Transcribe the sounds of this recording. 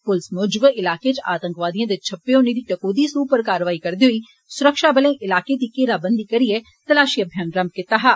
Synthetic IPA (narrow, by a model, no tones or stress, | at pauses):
pʊlɪsmoːd͡ʒbɪlaːket͡ʃaːt̪ə̃ŋkʋaːd̪ijãːd̪et͡ʃʰɐpːeõnid̪iːʈɐkoːd̪iːsuːpəɾkaːɾʋaːikɐɾd̪eɦʊiː | sʊɾəkʃabəlẽʔɪlaːked̪iːkeːɾabə̃nd̪ikɐɾie | t̪ɐlaːʃiːɐbʱjanɾɐmkɪt̪aːɦaː